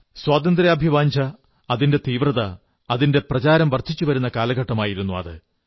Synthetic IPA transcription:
swaːt̪ɐnd̪ɾiɐbʱiʋaːɲd͡ʑʱɐː | ðinde̞t̪iːʋrɐðɐ | ɐðinde̞prɐt͡ɕaːɾɐmʋɐrt̪ʰːit͡ɕːuʋɐɾunːɐkaːlɐɣɐʈːɐmaːjiɾunːuɐ̰ðɨ

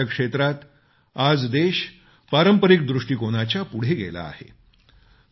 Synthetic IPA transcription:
akʂet̪ɾat̪ | ad͡zd̪eɕ | paɾəmpəɾik̚d̪ɾuʂʈiːkoɽ̃at͡ɕjapuɽ̤eɡḛla̰ːhḛ

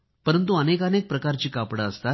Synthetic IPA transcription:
pəɾənt̪uənekənek̚pɾəkaɾt͡ɕiːkapɽaəst̪a

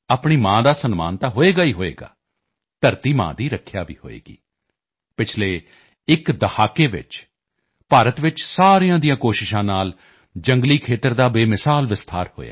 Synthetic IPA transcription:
aːpɳiːmãːd̪aːsənma̰ːnt̪aːɦoːeːɡaːiːɦoːḛːɡa̰ː | t̪əɾt̪iːmã̰ːd̪iːɾəkʰjaːʋḭːɦo̰ːḛːɡḭː | pɪt͡ʃʰleː | ɪkd̪əhaːkeːʋɪ̰t͡ʃ | paːɾət̪ʋɪt͡ʃsaːɾijãːd̪ijãːkoːʃɪʃãːnaːl | d͡ʒəŋɡliːkʰeːt̪əɾd̪aːbeːmɪsaːlʋɪst̪ʰaːɾho̰ːja̰ː

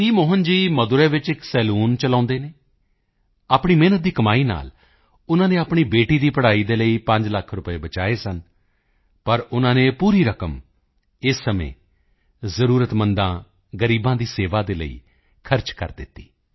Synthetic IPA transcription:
tiːmoːɦənd͡ʒiːməd̪ʊɾɛːʋɪt͡ʃɪksɛːluːnt͡ʃəlãːnd̪eːneː | aːpɳiːmeːnət̪̚d̪iːkəmaːiːna̰ːl | ʊnãːnẽːaːpɳiːbeːʈiːd̪iːpəɽaːiːd̪eːləiːpə̃ɲd͡ʒləkʰɾʊpeːbət͡ʃaːeːsən | pəɾʊnãːneːpuːɾiːɾəkəm | ɪsːəmḛ̃ː | zəɾuːɾət̪mənd̪ãː | ɡəɾiːbãːd̪iːseːʋaːd̪eːlə̰ḭː | kʰəɾt͡ʃkə̰ɾd̪ɪt̪ːi̥ː

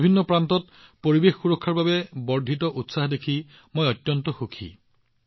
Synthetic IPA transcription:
bʱinːɔpɹantɔt̚ | poɹibexːuɹɔkʰːaɹbabɛbɔɹdʱitɔʔutsaɦdekʰi | mojɔtjɔntɔxukʰḭ

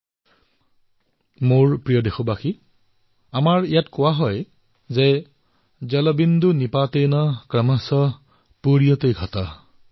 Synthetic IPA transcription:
moɹpɹijɔdexɔbaxi | amaɹijatkʊwaɦɔj | zɛ | zɛlɔbindunipatejnɔkɹɛmasɔ | puɹijɔtejɡʱɔta

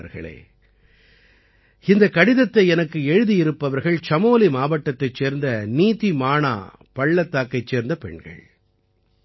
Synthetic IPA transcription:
ɾɣɐ̰ɭḛː | ɪnd̪ɐkːɐɽɪðɐt̪ːɐɪɛnɐkːɯɛɻɯðijɪɾɯpːɐʋɐɾɣɐɭt͡ʃɐmoːlimaːʋɐʈːɐt̪ːɐɪt͡ʃːeːɾnd̪ɐniːt̪imaːna̰ː | pɐɭːɐt̪ːaːkːɐɪt͡ʃːeːɾnd̪ɐpɛ̰ɳɡɐ̰ɭ

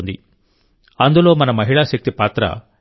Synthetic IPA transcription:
nd̪ḭ | ɐnd̪ulo̞ːmɐnɐmɐɦiɭaʃɐk̚t̪ipaːt̪ɾɐ̰

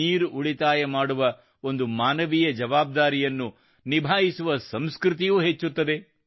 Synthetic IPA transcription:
iːɾuuɭit̪aːjɐmaːɽuʋɐ | o̞nd̪umaːnɐʋijɐd͡ʒɐʋaːb̚d̪aːɾijɐnːu | nibʱaːɦisuʋɐsɐmskɾut̪ijuːɦet͡ʃːut̪ːɐd̪e̞

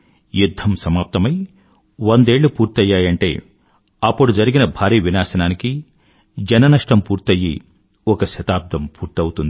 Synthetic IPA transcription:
jud̪ʱːɐmsɐmaːp̚t̪ɐmɐj | ʋond̪e̞ːɭːupuːɾt̪ɐjːaːjɐɳʈḛː | ɐpːuɽud͡ʒɐɾiɡinɐbʱaːɾiːʋinaːsɐnaːniki | d͡ʒɐnɐnɐʂʈɐmpuːɾt̪ɐjːi | ɔkɐʃɐt̪aːp̚d̪ɐmpuːɾt̪iɐwut̪und̪i

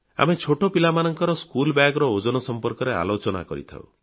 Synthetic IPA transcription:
a̰met͡ʃʰoʈopilamanɔŋkɔɾɔskulbjaɡɾɔod͡ʒɔnɔsɔmpɔɾkɔɾea̰lot͡ʃɔna̰kɔɾit̪ʰa̰w

